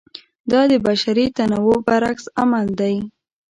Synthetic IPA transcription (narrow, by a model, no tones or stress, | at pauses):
d̪ɑd̪əbaʃaɾit̪anawobaɾaksamald̪aj